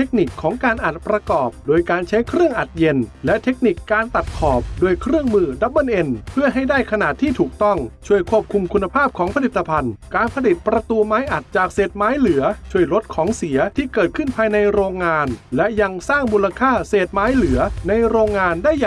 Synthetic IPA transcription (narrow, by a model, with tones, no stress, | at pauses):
tʰe˦˥k̚ni˨˩kʰːɔː˩˦ŋkaː˧nʔa˨˩t̪̚pɾa˧kɔː˨˩p̚doː˧jkaː˧nt͡ɕʰa˦˥jkʰɾɯ˥˩əŋʔa˨˩t̪̚je˧nlɛ˦˥t̪ʰe˦˥k̚ni˨˩kːaː˧nt̪a˨˩t̪̚kʰɔː˨˩p̚doː˧jkʰɾɯ˥˩əŋmɯː˧da˧˦˥pʔɤ˥˨nʔe˧npʰɯ˥˩ɐɦa˥˩jdaː˥˩jkʰa˧na˨˩t̪ʰːiː˥˩t̪ʰuː˨˩k̚t̪ɔ˥˩ŋt͡ɕʰu˧˥˩əjkʰu˥˩əp̚kʰu˧mkʰu˧nːa˧pʰaː˥˩p̚kʰɔː˩˦ŋpʰa˧li˨˩t̪ːa˧pʰa˧nkaː˧npʰa˧li˨˩t̪̚pɾa˧t̪u˧maː˦˥jʔa˨˩t̪̚t͡ɕaː˨˩k̚seː˨˩t̪̚maː˦˥jlɯ˨˩˦ɐt͡ɕʰu˥˩əjɾo˦˥t̪̚kʰɔː˩˦ŋsi˩˦ɐt̪ʰiː˥˩kɤː˨˩t̪̚kʰɯ˥˩npʰaː˧jna˧jɾoː˧ŋːaː˧nlɛ˦˥ja˧ŋsaː˥˩ŋmuː˧la˧kʰaː˥˩seː˨˩t̪̚maː˦˥jlɯ˨˩˦ɐna˧jɾoː˧ŋːaː˧ndaː˥˩j